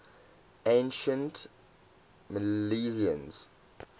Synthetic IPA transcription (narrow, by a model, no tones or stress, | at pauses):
ẽnʃə̃nt | məlliziə̰̃nz̥